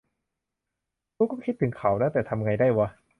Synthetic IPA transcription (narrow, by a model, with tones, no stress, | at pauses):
t̪uː˧˩kɔː˥˩kʰi˦˥t̪ʰːɯ˩˦ŋkʰa˩˦wnɛ˦˥t̪ɛː˨˩t̪ʰa˧m˧ŋa˧jdaː˥˩jwa˧